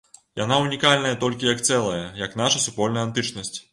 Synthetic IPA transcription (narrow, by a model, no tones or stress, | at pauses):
ja̰naunʲikalʲnɐjɐt̪ɔlʲkʲijɐkt̪sɛlˠɐjɐjɐkn̪aʂɐsupɔlʲnɐjɐant̪ɨt͡ʂnɐsʲt͡sʲ